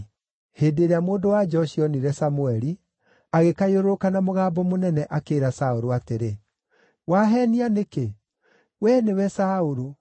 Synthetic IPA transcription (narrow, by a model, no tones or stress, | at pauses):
heːdeɾeamoːndowad͡ʒɔʃiɔniɾɛsamuɛɾi | aɣekaioɾokanamoɣaːbɔmonɛnɛʔakeːɾasaoɾoateɾe | waɦɛnianeke | wɛnewɛsaoɾo